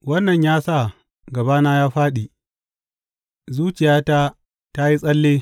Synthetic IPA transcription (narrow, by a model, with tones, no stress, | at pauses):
wɐ˦nːɐ˨ɲjaː˦sa˦˨ | ɡɐ˨baː˦naː˦jaː˦ɸaː˦ɗi˨ | zuː˦t͡ʃɪ˨jaː˦ta˦ | ta˦ji˦sʼɐ˦lːeː˦